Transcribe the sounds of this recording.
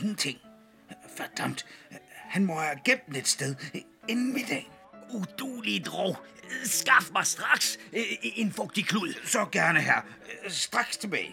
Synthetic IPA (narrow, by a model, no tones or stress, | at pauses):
eŋn̩t͡sʰe̝ŋ̰ | fæɐd̥ɑm̰d̥hænmɒhæɡ̥ebd̥ned̥sd̥eð̞ˠ | enn̩med̥ɛ̰ːn | ud̥uːlid̥ʁɔʊsɡ̥ɑ̈fmɑ̈ɪsd̥ʁɑ̈ɡ̥se̝nfɔ̽ɡ̥̚d̥ikʰluð̩̰ˠsɒ̽ɡ̥æɐnəɦæɐ̰ | sd̥ʁɑ̈ɡ̥st͡sʰe̝b̥ɛ̰ːɪ